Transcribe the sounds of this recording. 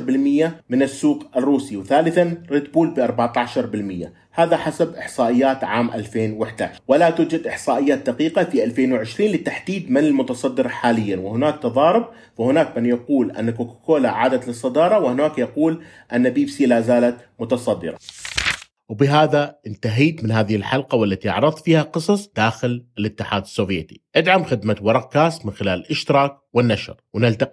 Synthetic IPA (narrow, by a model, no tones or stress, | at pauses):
ɾbɪlmɪjːamɪnɪsːuːqʔɪrːuːsiwθaːlɪθanɾɪt̪buːlbɪʔɑɾˤbaʕt̪aʕʃɑɾˤbɪlmɪjːa̰ | haːðaħasabʔɪħsˤɑːʔɪjːaːt̪ʕaːmʔa̰lfeːnwɪħd̪a̰ːʕʃɾwalat̪uːd͡ʒad̪ʔɪħsˤɑːʔɪjːaːt̪̚d̪aqiːqafiʔalfeːnwɪʕɪʃɾiːnlɪt̪ːaħd̪iːd̪mɪnɪlmʊt̪ɑsˤɑd̪ːɪɾħaːlɪjːanwɪhʊnaːk̚t̪ɑðˤɑːɾɪb̚ | fahʊnaːk̚mɪnjɑquːlʔa̰nːakoːkḁkoːlaʕaːd̪at̪lɨsˤːɑd̪ɑːɾˤɑwɪhɪnaːkjɑquːl | ʔanːabiːbsilaːzaːlat̪mʊt̪ɑsˤɑd̪ːɪ̰ɾˤɑ̰ | wbɪɦaːðaʔɪnt̪aɦiːt̪mɪnɦaːðɪhɪlħalqɑwalːat̪iʔɑ̰ʕɾɨðˤfiːhaqɨsˤɑsˤd̪̥aːxɪlɪlɪt̪ːɪħaːd̪ɪsːoːvjeːt̪i̥ʔad̪ʕamxɪd̪mawɑɾˤɑq̚kːaːst̪mɪnxɪlaːlɪlʔɪʃt̪ɪɾˤɑːk̚wɪnːaʃɾˤwnɪlt̪a